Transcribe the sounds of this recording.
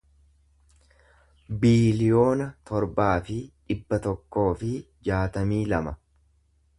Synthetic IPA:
biːlɪjo̞ːnɐt̪ɔɾbaːfɪᶑɪbːɐt̪ɔkːo̞ːfɪ | d͡ʒaːt̪ɐmiːlɐmɐ

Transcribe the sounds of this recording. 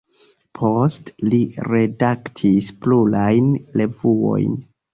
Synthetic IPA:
pʰo̞stliɾe̞daktʰisplulajnle̞vuo̞̰jn

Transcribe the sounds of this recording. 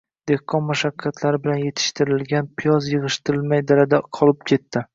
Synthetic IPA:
d̪̥e̞hqʰɒnmaʃakʲʰːat̪ʰlaɾɪbɪlanje̞t̪ʰɪ̥ʃt̪ʰɪɾɪlɡʲanpʰɪjɒzjɨʁɨʃt̪ɪɾɪlmajd̪aɾad̪aqʰɒlˠɪp̚kʲʰe̞t̪ːɪ

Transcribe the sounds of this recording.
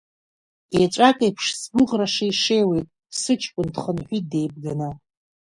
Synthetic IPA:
eʈ͡ʂʷʼakʼajpʰʂsbʷʊʁraʂaiʂe̞jwejtʼ | sɨt͡ʃʰkʷʼʊndχənħʷide̞jb̚ɡanɨ

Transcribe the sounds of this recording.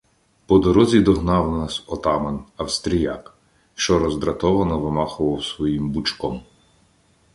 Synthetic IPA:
pɔd̪ɔɾɔzʲid̪ɔɦnɑwnɑsɔt̪ɑmɐnɐwst̪ɾʲijɑk | ʃt͡ʃɔɾɔzd̪ɾɐt̪ɔʋɐnɔʋɪmɑxʊʋɐwsʋɔjimbut͡ʃkɔm

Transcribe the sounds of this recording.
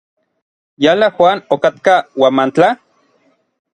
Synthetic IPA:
jalaxwaːnokat̪kawamant͡ɬa

